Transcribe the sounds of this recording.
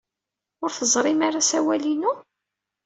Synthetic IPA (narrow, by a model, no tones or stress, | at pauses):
ʊɾθəzˤɾˤɪmaɾasæwælinu